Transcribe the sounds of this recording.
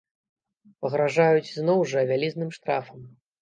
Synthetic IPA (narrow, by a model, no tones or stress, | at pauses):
pɐɣɾaʐajut͡sʲznɔwʐɐvʲalʲiznɨmʂt̪ɾafɐm